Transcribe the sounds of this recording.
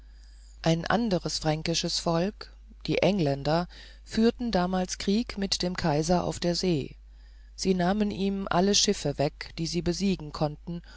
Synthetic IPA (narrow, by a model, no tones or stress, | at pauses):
ʔaɪnʔa̰ndəʁəsfʁ̥ɛŋkɪʃəsfɔlk | d̥iːʔɛŋlɛndɐ | fyːɐtn̩daːmaːlskʁ̥iːkmɪtd̥eːmkʰaɪzɐʔa̰ʊfd̥eːɐzeː | z̥iːnaːməniːmʔa̰ləʃɪfəvɛkd̥iːziːbəziːɡŋ̩kʰɔntn̩